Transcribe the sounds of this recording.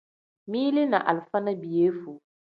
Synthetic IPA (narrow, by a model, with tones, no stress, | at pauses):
miː˦li˦na̰˨ʔa̰˨lfa˦na˦bi˨jeː˦fu˨